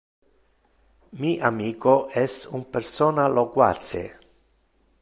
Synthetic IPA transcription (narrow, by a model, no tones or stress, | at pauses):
miʔamiːkoɛsumpersoːnalokwa̰t̪sḛ